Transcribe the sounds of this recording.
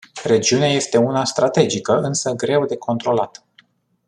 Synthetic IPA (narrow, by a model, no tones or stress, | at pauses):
re̞d͡ʒiuneaje̞st̪e̞unast̪ɾat̪e̞d͡ʒikəɨnsəɡɾe̞wd̪e̞ko̞nt̪ɾo̞lat̪ə